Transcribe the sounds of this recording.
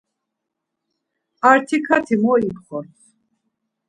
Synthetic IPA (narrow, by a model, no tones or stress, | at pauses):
aɾt̪ʰikʰat̪ʰimɔipχɔɾt̪